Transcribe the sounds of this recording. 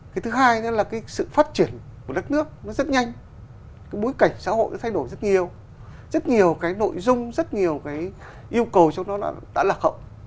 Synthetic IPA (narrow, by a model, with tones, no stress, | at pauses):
kaː˨˦jt̪ʰɨ˨˦ɦaː˧jnɔ˨˦laː˨˩kaː˨˦jsɨ̰˧˨faː˦˥t̚t͡ɕi˧˩ənku˧˩ə˩ɗə˦˥t̚nɨ˦˥ək̚nɔ˨˦zə˦˥t̚ɲa˧jŋ̟ | kaː˨˦jɓo˨˦jka˧˩jŋ̟sa̰ː˧˥ho̰˧˨jʔa̰˨˦t̪ʰa˧jɗo˧˩jzə˦˥t̚ɲi˨˩əw | z̥ə˦˥t̚ɲi˨˩əwkaː˨˦jno̰˧˨jzʊ˧ŋ͡mzə˦˥t̚ɲi˨˩əwkaː˨˦j | ʔi˧əwkə˨˩wt͡ɕɔ˧wŋ͡mnɔ˨˦ɗa̰˧˥ɗa̰ː˧˥laː˨˩xə̰˧˨w